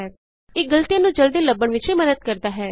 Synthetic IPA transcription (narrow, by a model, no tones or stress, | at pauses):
ɛː | eːɡəlt̪ijãːnũːd͡ʒəld̪iːləbːəɳʋɪt͡ʃiːməd̪əd̪̚kəɾd̪aːɦɛː